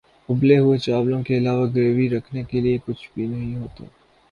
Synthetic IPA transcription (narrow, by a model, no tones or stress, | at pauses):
ʊbleɦʊet͡ʃaːblõkeɐlaːʋaɡɾeːʋiɾɐkʰnekeliekʊt͡ʃʰbiːnɐɦĩɦoːt̪ḛ